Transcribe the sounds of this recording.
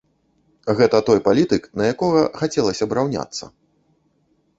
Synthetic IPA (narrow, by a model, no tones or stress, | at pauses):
ɣɛt̪ɐt̪ɔjpalʲit̪ɨknɐjakɔɣɐxat͡sʲɛlˠɐsʲɐbɾawnʲa̰t̪sːɐ̰